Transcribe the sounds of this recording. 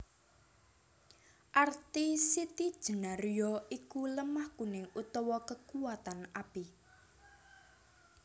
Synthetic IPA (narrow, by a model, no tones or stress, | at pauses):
ʔart̪isit̪id̥ʒ̥ə̤naɾujɔikuləmahkunɪŋut̪ɔwɔkəkuwat̪anapi